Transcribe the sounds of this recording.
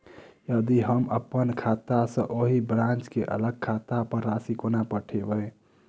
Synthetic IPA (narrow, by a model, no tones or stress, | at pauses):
jəd̪iɦəmə̰pːənkʰat̪asə̃ʔoɦibɾãnt͡ʃkeʔə̰ləɡ̚kʰat̪apəɾːasikonapəʈʰebəe